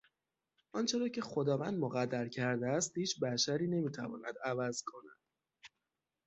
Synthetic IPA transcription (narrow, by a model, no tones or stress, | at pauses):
ʔɒnt͡ʃʰe̞ɾɒːcʰe̞xod̪ɒːvæ̰nd̪moɣæd̪ːæɾcʰæɾd̪eæst̪hiːt͡ʃʰbæʃæɾiːne̞miːt̪ʰævɒ̰ːnæ̰d̪ævæzkʰo̞næ̰d̪̥